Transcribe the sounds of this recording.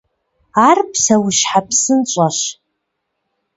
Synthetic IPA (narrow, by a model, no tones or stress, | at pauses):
arpʰsawʊʃħapʰsɨnt͡ʃʷʼaʃ